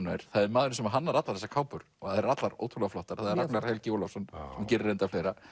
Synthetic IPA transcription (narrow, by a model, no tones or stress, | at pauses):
najɾ̥θaðɛɾmaːðʏɾɪnsɛmaɦanːaɾat̪laθɛsːḁkʰaːwpʏɾ̥ɔhaðɛɾat̪laɾo̰ːwt̪ʰulaflɔht̪aɾ̥θaðɛɾaknaɾhɛlcɪoːlɔfsɔnːsɛmcɛːɾɪrːejnt̪afleːjɾa